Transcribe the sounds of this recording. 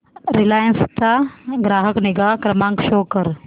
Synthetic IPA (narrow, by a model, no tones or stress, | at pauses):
ɾilaːjənst̪aɡɾaːɦəknɪɡaːkɾɐmãːŋkʃoːkəɾ